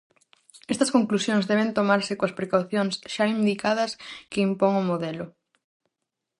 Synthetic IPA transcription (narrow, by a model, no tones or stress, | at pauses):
ɛst̪ɐskoŋklusjõŋzðɛβent̪omaɾsɪkoɐspɾekawθjoŋsʃaind̪ikaðɐskeimpoŋʊmoðɛlʊ